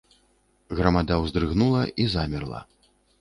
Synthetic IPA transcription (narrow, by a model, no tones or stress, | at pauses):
ɣɾɐmad̪awzd̪ɾɨɣnulˠɐizamʲirlˠɐ̰